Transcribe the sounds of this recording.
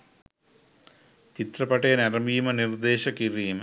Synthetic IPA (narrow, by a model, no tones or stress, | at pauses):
t͡ɕit̪rɐpɐʈːenɐrɐmijumɐnird̪eːɕɐkirijum